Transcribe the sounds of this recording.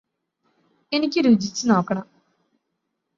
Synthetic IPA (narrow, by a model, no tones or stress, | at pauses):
e̞nikʲːɨɾuːd͡ʑit͡ɕːɨno̞ːkːɐɳɐm